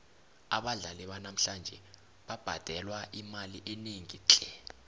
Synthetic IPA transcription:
a̰ɓaɮaliɓanam̩ɬand͡ʒʱɛ | ɓab̥ʱad̥ʱɛlwaʔimaliʔeniŋit͡ɬʼɛ

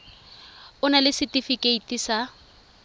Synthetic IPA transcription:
ʊnalɪsɪtʼifikʼeitisa

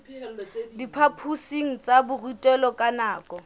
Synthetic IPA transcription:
dipʰapʰusiŋ̩t͡sʼabʊrutʼɛlɔkʼanaːkʼɔ

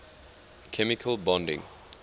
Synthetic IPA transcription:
kʰɛmɪkʰəlbɔ̃ndɪ̰̃ŋ

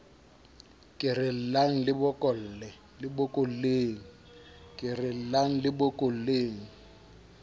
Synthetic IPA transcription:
kʼɪrɪl̩laŋ̩lɪbʊkʼɔl̩lɛ | lɪbʊkʼol̩leːŋ̩ | kʼɪrɪl̩laŋ̩lɪbʊkʼol̩leːŋ̩

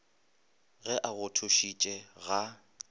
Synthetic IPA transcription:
ɣɛʔaɣʊtʰʊʃit͡ʃʼɛɣa

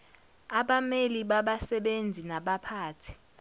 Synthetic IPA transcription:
aɓameliɓaɓasɛɓend͡zʱinaɓapʰaːtʰi̥

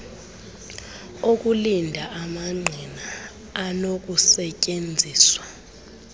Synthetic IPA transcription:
ok̬ʼulindʱaʔamaŋ͡ǀʱinaː | nok̬ʼusɛcʼend͡zʱiːswa

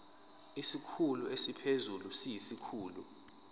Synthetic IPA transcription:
isikʰuluesipʰezulusijisikʰuːlu

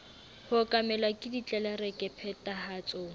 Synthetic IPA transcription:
hʊkʼamɛlwakʼɪdit͡ɬʼɛlɛrɛkʼɛpʰɛtʼahat͡sʼoːŋ̩

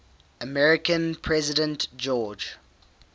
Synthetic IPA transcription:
əmɛɹɪkə̃npʰɹɛzɪdə̃ntd͡ʒɔːd͡ʒ

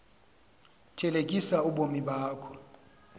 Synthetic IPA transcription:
tʰɛlek̬ʼisauɓomiɓaːkʰɔ̥

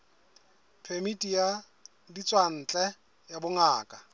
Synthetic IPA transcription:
pʰemitʼija | dit͡sʼwan̩t͡ɬʼɛ | jabʊŋaːkʼa

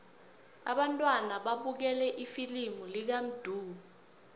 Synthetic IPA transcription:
a̰ɓantʼwanaɓaɓuk̬ɛlɛʔifilimulik̬am̩d̥ʱuːu

